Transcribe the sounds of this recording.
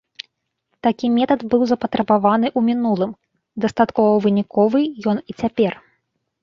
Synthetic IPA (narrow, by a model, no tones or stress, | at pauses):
t̪akʲimʲɛt̪ɐd̪bɨwzɐpɐt̪ɾɐbavanɨʔumʲinulˠɨm | d̪ɐst̪at̪kɔvɐvɨnʲikɔvɨjɔnit͡sʲapʲɛr